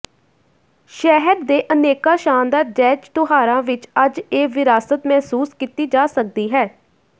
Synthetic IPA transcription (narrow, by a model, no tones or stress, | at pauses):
ʃɛɦəɾd̪eːʔəneːkaːʃaːnd̪aːɾd͡ʒɛːd͡ʒt̪ʊɦaːɾãːʋɪt͡ʃəd͡ʒeːʋɪɾaːsət̪mɛːsuːskiːt̪iːd͡ʒaːsək̚d̪iːɦɛː